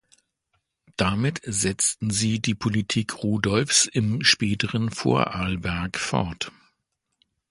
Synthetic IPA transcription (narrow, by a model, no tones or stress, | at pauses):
d̥amɪtz̥ɛt͡stn̩ziːdiːpʰolitʰiːkʰʁuːdɔlfsɪmʃpɛːtəʁənfo̰ːɐʔaːlbɛɐkfɔ̰ɐt